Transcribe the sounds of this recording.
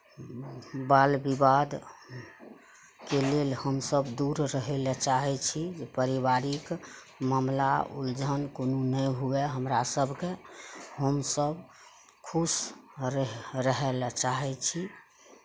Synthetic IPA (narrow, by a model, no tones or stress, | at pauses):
balbibad̪ | kelelhəmsəbd̪uɾɾəɦɛlt͡ʃaɦɛt͡ʃʰid͡ʒepəɾiβaɾik | məmla̰ṵld͡ʒʱənkonunəjɦuɛɦəmɾasəbʱkeɦəmsəb | kʰusɾɾəɦɛlt͡ʃaɦɛt͡ʃʰi